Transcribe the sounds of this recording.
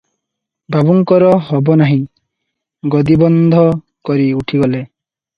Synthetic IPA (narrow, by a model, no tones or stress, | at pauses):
bʱabuŋkɔɾɔɦɔbɔnaɦĩ | ɡɔd̪ibɔnd̪ʱɔ | kɔɾiuʈʰiɡɔle